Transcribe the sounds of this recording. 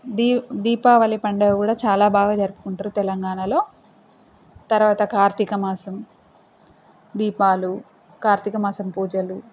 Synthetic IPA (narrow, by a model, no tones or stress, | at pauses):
d̪id̪iːpaːʋɐlipɐɳɖɐkuːɽaːt͡ʃaːlaːbaːɡaːd͡ʒɐɾupu̥kuɳʈaːɾut̪ɛlɐŋɡaːɳalo̞ː | t̪ɐɾuʋaːt̪ɐkaːɾt̪ikɐmaːsɐm | d̪iːpaːlu | kaːɾt̪ikɐmaːsɐmpuːd͡ʒɐlu